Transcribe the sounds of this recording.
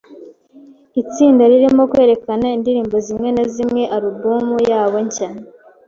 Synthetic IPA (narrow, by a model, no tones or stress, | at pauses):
it͡siːndaɾiɾimo̞kwe̞ːɾe̞kanaindiɾiːmbo̞zimŋe̞nazimŋe̞ʔaɾubuːmujaːβo̞ɲcan